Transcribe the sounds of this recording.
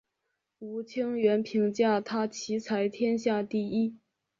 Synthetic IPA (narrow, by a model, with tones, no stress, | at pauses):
u˧˥t͡ɕʰi˥ŋɥɛ˧˥npʰi˧˥ŋt͡ɕja˥˩t̪ʰa˥t͡ɕʰi˧˥t͡sʰa˧˥ɪt̪ʰjɛ˥nɕja˥˧t̪i˥˩i˥